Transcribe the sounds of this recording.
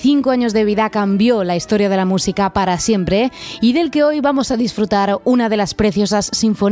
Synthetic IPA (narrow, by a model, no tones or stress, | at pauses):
θiŋkoaɲo̞zðe̞β̞iðakambjo̞laist̪o̞ɾjað̞e̞lamusikapaɾasje̞mpɾe̞iðe̞lke̞ojβamo̞saðisfɾut̪aɾunaðe̞laspɾe̞θjosasːiɱfo̞